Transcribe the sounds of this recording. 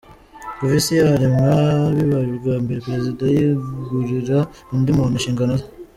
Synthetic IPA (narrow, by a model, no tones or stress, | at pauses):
kovisijaɾimaβiβaɾiɾɡaːmbeɾepɾezidajiɡuɾiɾa | undimunuʃiːŋɡanoz